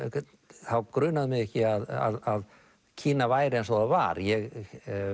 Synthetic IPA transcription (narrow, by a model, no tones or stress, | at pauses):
θawkɾʏːnaðɪmɪɣɛhcɪaða̰ðað | cʰiːnavaːjɾɪɛnsvɔðava̰ːɾjɛɣ